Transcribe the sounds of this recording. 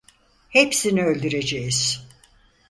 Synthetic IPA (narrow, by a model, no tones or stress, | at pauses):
hepsiniølʲd̪yɾe̞d͡ʒejiz̥